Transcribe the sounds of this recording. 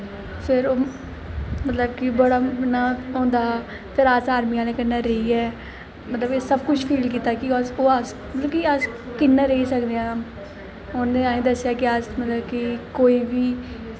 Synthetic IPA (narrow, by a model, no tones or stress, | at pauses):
pʰɪɾoː | mət̪ləb̚kibəɽaːɪnaːɦõːnd̪aː | pʰɪɾaːsaːɾmiːãːleːkɪnːãːɾəiːɛː | mət̪ləbeːsəb̚kʊt͡ʃʰpʰiːlkiːt̪aːkisoːas | mət̪ləbkiəskɪnːãːɾəisəkd̪eːãː | ʊnːeːaːĩːd̪əsːɪjaːkɪəsmət̪ləbkikoːiːbiː